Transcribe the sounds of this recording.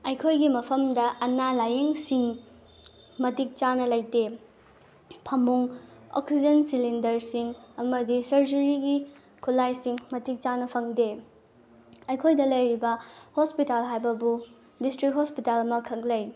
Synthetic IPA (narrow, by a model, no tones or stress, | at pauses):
ɐjkʰojɡimɐpʰɐmdɐʔɐnalajeŋsiŋ | mɐtik̚t͡ʃanɐlɐjte | pʰɐmuŋo̰ksid͡ʒensilindɐɾsiŋɐmɐdisɐɾd͡ʒɐɾiɡi | kʰulajsiŋmɐtik̚t͡ʃanɐpʰɐŋde | ɐjkʰojdɐlɐjɾibɐhospitalɦajbɐbu | distɾik̚ɦospitalɐmɐkʰɐk̚lɐj